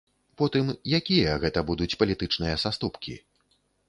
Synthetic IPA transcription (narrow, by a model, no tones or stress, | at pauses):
pɔt̪ɨmjakʲijɐɣɛt̪ɐbud̪ut͡sʲpɐlʲit̪ɨt͡ʂnɨjɐsast̪upkʲḭ